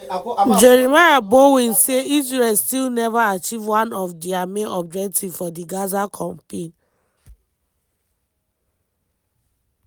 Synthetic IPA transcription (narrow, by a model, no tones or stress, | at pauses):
d͡ʒeɾimaɾabowĩnseizɹelstilnɛvaat͡ʃivwãnɔfdiameʔɔb̚d͡ʒɛk̚tʰivfɔdiɡazakʰɔ̃mpen